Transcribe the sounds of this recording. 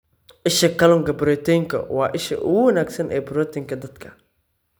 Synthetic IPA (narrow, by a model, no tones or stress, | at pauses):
ʔɪʃɐkʰɐlɔŋkɐbʊɾɔːt̪ʰɛjŋkʰɐ̰wɑːʔɪʃɐ̰ʔʊ̰ɣʊwɐnaːɡsɐnʔɛ̰ːbɾɔːt̪ʰɪŋkʰɐd̪ɐd̪kʰɐ